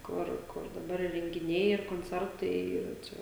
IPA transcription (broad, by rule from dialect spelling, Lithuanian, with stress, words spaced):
ˈkʊr kʊr dɐˈbɐr ɪ rʲɛŋʲɡʲɪˈnʲɛɪ ɪr koːnʲˈt͡sʲɛrtɐɪ ˈiːrɐ ˈt͡ʃʲɛ